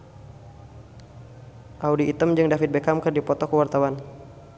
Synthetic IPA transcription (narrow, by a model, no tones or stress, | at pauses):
ʔaudiʔːt̪əmd͡ʒɨŋdafit̪̚bekamkərdipɔt̪ɔkəwart̪awan